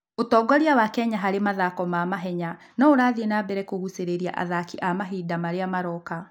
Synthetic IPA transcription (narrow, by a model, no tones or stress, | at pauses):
otɔːɡɔɾiawakɛɲaɦaɾemaðakɔmaːmaɦɛɲa | nɔoɾaːðienabɛɾɛkohuseɾeɾia̰ʔa̰ðakiʔamaɦiːdamaɾeamaɾɔka